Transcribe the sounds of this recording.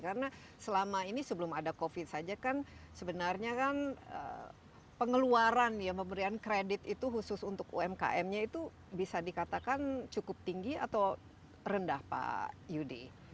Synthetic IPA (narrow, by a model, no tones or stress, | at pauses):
karəna | səlamainisəbəlʊmadakofɪt̪̚sad͡ʒakansəbənarɲakanə̰ | pəŋəluaɾanjaməmbəɾiankɾedɪt̪it̪uɦusʊsunt̪ʊkṵɛmka̰ʔɛmɲait̪u | bisadikat̪akant͡ʃukʊp̚t̪iŋɡia̰t̪aw | rəndahpa̰judḭ